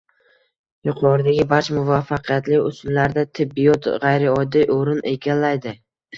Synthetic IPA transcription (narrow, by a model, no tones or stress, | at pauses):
jʊqʰɒɾɪd̪aɡʲɪbaɾt͡ʃmʊvafːaqʰɨjat̪lɪʊsʊlːaɾd̪at̪ʰɪbːɪjɒt̪ʁajɾɪɒd̪ːijʔoɾɪnʔeɡʲanlːajd̪ɪ